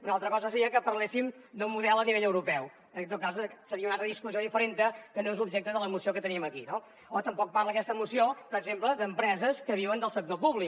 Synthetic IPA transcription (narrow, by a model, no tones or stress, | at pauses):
unalˠt̪ɾəkɔzəsəɾiəkəpəɾlesimd̪ummuðɛlˠəniβeʎəwɾupɛw | ət̪ot̪̚kassəɾiəunalˠt̪ɾəðiskuijoðifəɾent̪əkənoezubʒɛk̚t̪əðələmusiokət̪əniəməkino | ot̪əmpɔk̚parləkɛst̪əmusiopəɾəɡzempləðəmpɾɛzəskəβ̞iwənd̪əlˠsək̚t̪opuβli